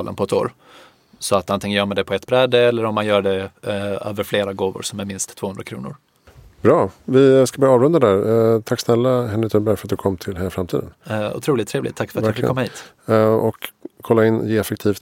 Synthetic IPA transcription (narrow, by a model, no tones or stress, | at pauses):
lʔə̰pʰɔɛt̪o̰ːɾ | sɔat̪ant̪ɪŋənjœːɾmand̪ɛpʰɔɛt̪bɾɛd̪ːəɛlːəɾɔmːanjœːɖɛø̰ːvəɾfleːɾaɡoːvʊ̰ɾsɔmæɾmɪnst̪ʰːv̥oːɵnd̪ɾakʰɾṵːnʊ̰ɾ | bɾɑːvɪskabliːɑːvɾɵnd̪ad̪æːɾt̪ʰakːsnɛlːaɦɛnɾɪt̪ʰɵnbæɾfœɾat̪̚d̪ɵkʰɔmːt̪ʰɪlheːlafɾamt̪ʰḭːd̪ənʊ̰t̪ʰɾuːlɪt̪ʰːɾeːvlɪ̰t̪ʰːakːfœɾat̪aklːkʰɔmːahiːt̪ | ɔkʰːɔlːaɪnjeːɛfɛk̚t̪ʰiːft̪